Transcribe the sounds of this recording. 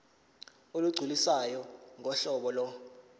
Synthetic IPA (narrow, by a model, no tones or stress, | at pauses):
oluɡ͡ǀʱulisajɔŋʱɔɬɔɓɔlɔ